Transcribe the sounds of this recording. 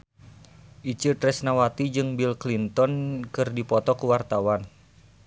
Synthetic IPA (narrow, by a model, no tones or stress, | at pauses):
ʔit͡ʃɨt̪ɾɛsnawat̪id͡ʒɨŋbilklint̪ɔnkɨrdipɔt̪ɔkuwart̪awan